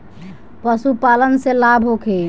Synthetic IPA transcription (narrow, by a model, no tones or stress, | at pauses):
pəsupalənselabʱɦokʰe